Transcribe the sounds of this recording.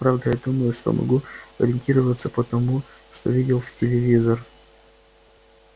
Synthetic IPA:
pɾavd̪əjad̪uməjʊsʲpə̰mʔɐ̰ɡuɐ̰ɾʲɪnʲtʲiɾəvət̪səpət̪ɐmu | ʂt̪o̞̰vʲidʲɪlˠftʲɪlʲɪvʲizər

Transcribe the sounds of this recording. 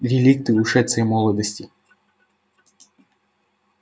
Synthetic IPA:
ʋʲilʲikt̪ɪuʃɛt̪sɛjmɔlˠɔd̪ɔsʲtʲi

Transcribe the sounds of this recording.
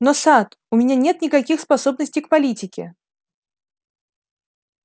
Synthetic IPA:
nosat̪ | ʊmʲɪnʲanʲe̞t̪nʲɪkɐkʲixspɐso̞bnəsʲtʲɪjk̚pɐlʲitʲɪkʲɪ̰

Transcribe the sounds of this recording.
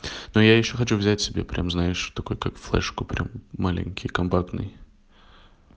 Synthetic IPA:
nujajɪɕːoxɐt͡ɕuvzʲætʲsʲɪbʲepɾʲʔamznaɪʂt̪ɐkojkakflˠɛ̰ʂkʊpɾʲa̰mːalʲɪ̰nʲkʲɪjkɐmpakt̪nɨ̰j

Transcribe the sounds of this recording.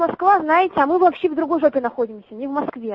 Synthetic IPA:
mɐskvaznajɪtʲɪɐmɨvɐpɕːevd̪ɾʊɡo̞jʐopʲɪnɐxo̞dʲɪmsʲənʲɪvmɐskvʲe

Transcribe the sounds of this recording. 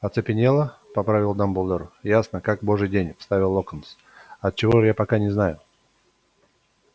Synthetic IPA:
ɐt̪sɨpʲɪnʲelˠəpɐpɾavʲɪlˠd̪ambulˠd̪əɾjasnəkakbo̞ʐɨjdʲenʲfst̪avʲɪlˠːokəns | ɐt̪̚t͡ɕɪvojapɐkanʲɪznajʊ

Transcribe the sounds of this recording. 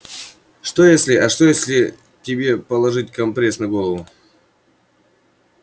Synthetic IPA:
ʂt̪o̞jesʲlʲɪɐʂt̪o̞jesʲlʲɪ | tʲɪbʲe̞pəlˠɐʐɨtʲkɐmpɾʲesnɐɡo̞lˠəvʊ

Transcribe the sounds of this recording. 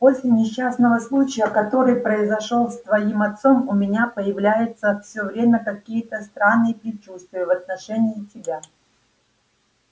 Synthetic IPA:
po̞sʲlʲɪnʲɪɕːasnəvəslˠut͡ɕɪjəkɐt̪o̞ɾɨjpɾəɪzɐʂolˠst̪vɐimɐt̪so̞mʊmʲɪnʲapəjɪvlʲæjɪt̪səfsʲɵvɾʲemʲəkɐkʲijət̪əst̪ɾanːɨjəpɾʲɪt͡ɕust̪vʲɪjəvɐt̪̚nɐʂɛnʲɪːtʲɪbʲa

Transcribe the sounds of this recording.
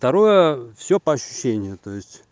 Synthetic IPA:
ft̪ɐɾojəfsʲopɐɐɕːʊ̥ɕːenʲɪjʊt̪ojɪsʲtʲ

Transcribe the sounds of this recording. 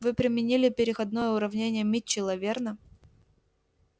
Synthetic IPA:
vɨpɾʲɪmʲɪnʲilʲɪpʲɪɾʲɪxɐd̪no̞jəʊɾɐvnʲenʲɪjəmʲɪt͡ɕːɪlˠɐvʲernə

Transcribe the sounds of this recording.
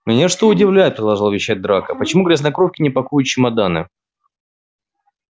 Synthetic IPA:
mʲɪnʲaʂt̪oʊdʲɪvlʲæjɪt̪̚pɾʲɪd̪lˠɐʐɨlˠəvʲɪɕːæt̚ʲd̪ɾakəpət͡ɕɪmuɡɾʲɪsnɐkɾofkʲɪnʲɪpɐkujʊt̪̚t͡ɕɪmɐd̪anɨ̰

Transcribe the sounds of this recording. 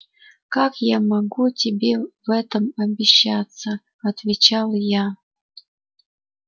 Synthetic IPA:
kakjamɐɡutʲɪbʲevɛt̪əmɐbʲɪɕːat̪t͡sːə | ɐt̪vʲɪt͡ɕalˠja

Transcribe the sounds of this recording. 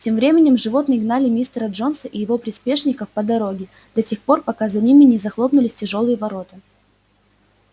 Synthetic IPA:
tʲemvɾʲemʲɪnʲɪmʐɨvo̞t̪nɨjɪɡnalʲɪmʲist̪əɾəʐo̞nsəʔɪjɪvo̞pɾʲɪspʲe̞ʂnʲɪkəfpəd̪ɐɾo̞ɡʲɪ | d̪̥ɐtʲe̞xpo̞rpɐkazɐnʲimʲɪnʲɪzɐxlˠo̞pnʊlʲɪsʲtʲɪʐo̞lˠɨjəvɐɾo̞t̪ɨ

